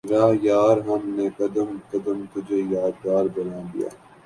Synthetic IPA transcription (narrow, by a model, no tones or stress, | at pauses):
ɾaːjaːɾɦɐmnekɐd̪əmkɐd̪əmt̪ʊd͡ʒʱejaːd̪̚ɡaːɾbɐnaːd̪ḭja̰ː